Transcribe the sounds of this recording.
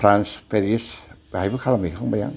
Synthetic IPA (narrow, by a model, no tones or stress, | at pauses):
fɾanspeɾisajbɯkʰalamikʰɔŋbaja̰ŋ